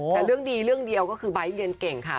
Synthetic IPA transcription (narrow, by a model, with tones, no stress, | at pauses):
t̪ɛː˨˩ɾɯ˥˩əŋdiː˧ɾɯ˥˩əŋdi˧əwkɔː˥˩kʰɯː˧ba˨˦jli˧ənke˨˩ŋkʰa˦˥˩